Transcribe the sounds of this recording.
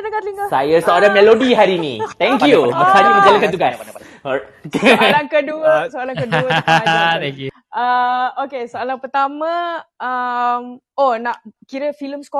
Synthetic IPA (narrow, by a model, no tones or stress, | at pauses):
dəkat̪liŋkasajasəoɾamɛlodiɦaɾinḭ̃t̪ɛ̃ŋkjumasaɲiɡəd͡ʒalãnkant̪uɡas | slaŋkəduəsəalaŋkəduəaat̪ɛŋkju | əokesəalaŋpət̪amə̃əm | onãʔkiɾəfiləmskɔ